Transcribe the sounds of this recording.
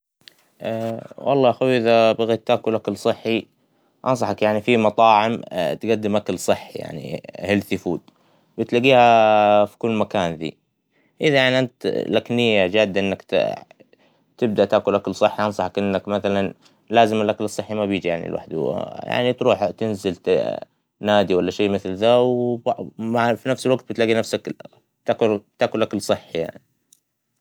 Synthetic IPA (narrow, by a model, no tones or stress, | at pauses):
ʔawʔɑ̰lˤːɑːʔaxuwʔɪðabaɣeːt̪ːaːkʊlʔakalsˤɨħːi | ʔɑ̰ns̬ˤɑħɑkjaʕnifimɑt̪ˤɑːʕɪmt̪ɡad̪ːɪmʔakalsˤɨħːija̰ʕnḭhɪlθɪfuːd̪̚ | bɪt̪laɡiːhafi̥kʊlːmakaːnðḭː | ʔɪðajaʕniʔant̪laknɪjːad͡ʒaːd̪ːaʔɪnːak | t̪ɪb̚d̪aʔt̪aːkʊlʔakalsˤɨħːiʔɑnsˤɑħɑkʔɪnːakmaθalan | laːzɪmɪlʔaklɨsˤːɨħːimabjiːd͡ʒijaʕnḭlwa̰ħd̪̰ja̰ʕnit̪ɾuːħt̪ɪnzɪlt̪ | naːd̪iwalːaʃeːmɪθlðawbmafinafsɪlwaɡt̪̚bɪt̪laɡinafsak | t̪akʊlt̪aːkʊlʔakalsˤɨħːija̰ʕni